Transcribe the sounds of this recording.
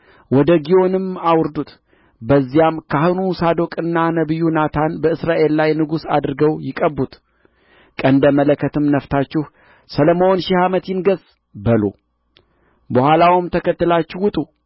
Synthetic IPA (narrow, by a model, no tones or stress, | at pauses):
wɔd̪əɡio̞nɨmawʊɾd̪ut̪ | bəzːijamkʰahɨnusad̪o̞kʼɨnːanəβɨjːunat̪ʰanbəɨsɾaʔe̞llajnɨɡusa̰d̪ɾɨɡəwjɪkʼəbːut̪ | kʼənd̪əmələkʰːət̪ʰɨmnəft̪ʰat͡ʃːɪh | sələməonʃɪhamət̪jɪnɡəz | bəlṵ | bəhʷalawmt̪ʰəkət̪ːɨlat͡ʃːɪhwʊt̪ʼu